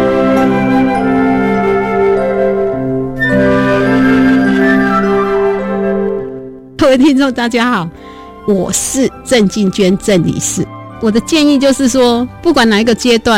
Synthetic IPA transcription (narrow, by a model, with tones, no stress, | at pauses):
kʰə˥˩we˥˧ɪt̪ʰi˥nʈ͡ʂʊ˥˧ŋt̪a˥˧t͡ɕja˥˧xɑ˨˩˦ʊ | wɔ˨˩ʂɻ̩˥˨ʈ͡ʂə˥˧nt͡ɕi˥˨nt͡ɕɥɛ˥nʈ͡ʂə˥˩nlḭ˨˩ʂɻ̩˥˩˨ | wɔ˨˩d̪ə˦t͡ɕjɛ˥˧ni˥˧t͡ɕjo˥˧ʊʂɻ̩˥˨ʂwɔ˦˥pu˥˩kwa˨˥na˨˩i˧˥ɡə˨t͡ɕjɛ˥t̪wa˥˨